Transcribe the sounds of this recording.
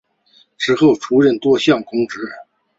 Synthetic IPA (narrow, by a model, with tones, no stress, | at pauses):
ʂɻ̩˧˥xo˥˩ʊʈ͡ʂʰu˥ɻə˥˩nt̪wɔ˥ɕjɑ˥˩ŋkʊ˥ŋʈ͡ʂɻ̩˧˥